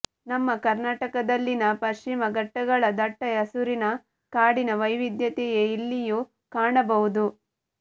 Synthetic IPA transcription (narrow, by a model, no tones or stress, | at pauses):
nɐmːɐkɐɾnaːʈɐkɐd̪ɐlːinɐpɐɾʃimɐɡɐʈːɐɡɐɭɐd̪ɐʈːɐjɐsuɾinɐ | kaːɽinɐʋɐjʋid̪jɐt̪ɛjeilːiju | kaːɳɐbɐʋud̪u